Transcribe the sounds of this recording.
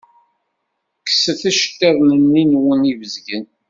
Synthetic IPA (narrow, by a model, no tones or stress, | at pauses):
kːə̥səθæʃə̥t̪ːæðˤnənːinwənivəzɡən